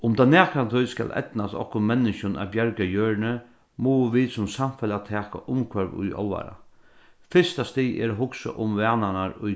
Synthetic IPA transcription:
ʊmd̪aːnæːkɾant̪ʰɔjska̰lʔɛ̰t̪nasɔ̰hkʊmɛnːɪʃʊna̰bjœɹɡajøːɹnə | mɔːʋiːsʊmsamfɛlat̪ʰɛːka̰ʔʊmkʰʋœɾʋʊ̰jɔ̰lʋa̰ɾa̰ | fɪst̪ast̪iːɛ̰ɾoɦʊksə̰ʔʊmʋɛːnanaɾʊj

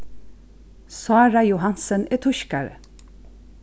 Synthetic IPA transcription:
sɑːɹɑjʊhɑnsəneːt̪ʰʊʃkɑɹə̰

